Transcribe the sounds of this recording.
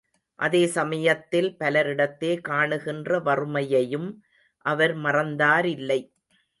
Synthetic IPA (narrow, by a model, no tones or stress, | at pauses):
ʔɐðeːsɐmɐjɐt̪ːɪlpɐlɐɾɪɽɐt̪ːeːkaːɳɯɣɪndrɐʋɐrɯmɐjɐjɯm | ʔɐʋɐɾmɐrɐnd̪aːɾɪlːɐɪ